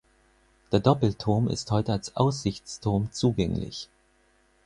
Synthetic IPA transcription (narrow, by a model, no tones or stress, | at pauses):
d̥eːɐdɔpl̩tʰʊɐmɪ̰sthɔʏtəalsʔaʊs̬z̥ɪçt͡stʰʊɐmt͡suːɡɛŋlɪ̰ç